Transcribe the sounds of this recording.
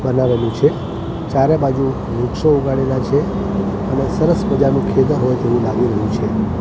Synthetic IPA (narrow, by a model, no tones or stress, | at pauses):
bənaʋenũt͡ʃʰe | t͡ʃjaɾebad͡ʒu | ɾukʃouɡaɽelat͡ʃʰe | ənesəɾəsməd͡ʒanũkʰed̪əɦojt̪eʋũlaɡiɾəɦũt͡ʃʰe